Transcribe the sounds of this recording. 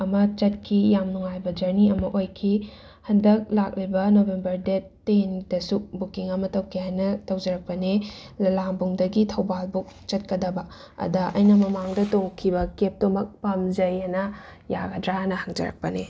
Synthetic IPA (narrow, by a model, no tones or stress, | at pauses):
ɐmɐt͡ʃɐt̚kʰijamnuŋajbɐd͡ʒɐɾniɐmɐʔojkʰi | hɐndɐk̚lak̚libɐnobembɐɾdetːendɐsubukiŋɐmɐtɐwkʰihajnɐtɐwd͡ʒɐɾɐk̚pɐnelɐlambuŋdɐɡitʰɐwbalbuk̚t͡ʃɐt̚kɐdɐbɐ | ɐ̰dɐʔɐ̰jnɐmɐmaŋdɐtoŋkʰibɐkep̚tomɐk̚pɐmd͡ʒɐjanɐja̰ɡɐdɾanɐhaŋd͡ʒɐ̰ɾɐ̰k̚pɐne